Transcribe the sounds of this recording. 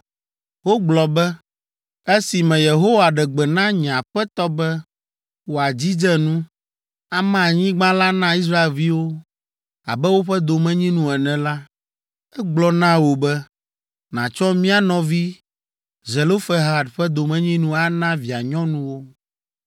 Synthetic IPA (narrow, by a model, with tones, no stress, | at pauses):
wo˦ɡ͡blɔ˨bɛ˦ | e˦si˨mɛ̃˨je˨ɦo˦wa˨ɖɛ˨ɡ͡bɛ˨nã˦ɲ̃˨ã˨ɸɛ˦t̪ɔ˦bɛ˦ | wo˨a˨d͡ʑi˦d͡ʒɛ˦nũ˦ | a˨mã˨a˨ɲĩ˦ɡ͡bã˦la˦nã˦i˦s̬ɾa˦e˨lvi˦wo˦ | a̰˨bɛ˦wo˦ɸɛ˦d̪o˨mɛ̃˦ɲĩ˦nũ˦ɛ˨nɛ̃˨la˦ | ɛ˦ɡ͡blɔ˨nã˦wo˨bɛ˦ | nã̰˨t͡ʃɔ˦mĩ˦a˨nɔ̃˨vi˦ | zɛ˨lo˦fɛ˦ɦa˦˨ɖɸɛ˦d̪o˨mɛ̃˦ɲĩ˦nũ˦a˦nã˦vi˨a˨ɲɔ̃˦nũ˦wo˦